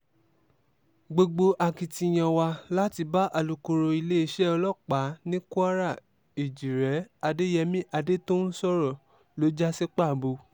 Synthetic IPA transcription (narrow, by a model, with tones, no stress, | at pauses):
ɡ͡bo˧ɡ͡bo˧ʔa˧ki˧ti˧j̃ã˧wa˧la˦ti˧ba˦ʔa˧lu˧ko˧ɾo˧i˧le˦i˦˧ʃɛ˦ɔ˧lɔ˦˨k͡pa˨˦nĩ˦ku˦a˦ɾa˦˨ | e˨d͡ʒi˨ɾɛ˨˦a˧de˦jɛ˧mĩ˦ʔa˧de˦to˦n̩˦sɔ˦ɾɔ˦˨ | lo˨˦d͡ʒa˦se˦k͡pa˦˨bo˧